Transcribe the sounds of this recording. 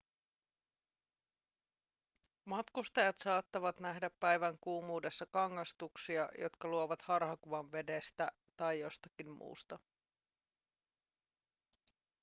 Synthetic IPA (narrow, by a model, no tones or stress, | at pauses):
mɑt̪kust̪ɑjɑt̪sɑːt̪ːɑʋɑt̪næɦdæpːæjʋæŋkuːmuːde̞sːɑkɑŋːɑst̪uksiɑjʔo̞̰t̪kɑluoʋɑt̪hɑrɦɑkuʋɑnʋe̞dest̪æ | t̪ɑjjo̞st̪ɑkimmṵːst̪ɑ